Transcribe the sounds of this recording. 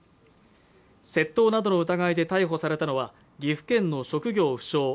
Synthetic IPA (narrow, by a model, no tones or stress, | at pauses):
se̞t̪ːo̞ːnad̪o̞noɯ̟t̪aɡaid̪e̞t̪aiɦo̞saɾe̞t̪ano̞βa | ɡʲiɸɯ̟̥kẽ̞nːo̞ɕo̞kɯ̟ɡʲo̞ːɸɯ̟̥ɕo̞ː